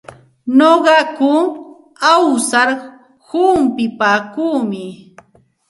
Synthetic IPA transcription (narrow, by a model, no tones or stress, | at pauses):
noɢɑkʊ | awsaɾ | hʊmpɪpaːkuːmɪ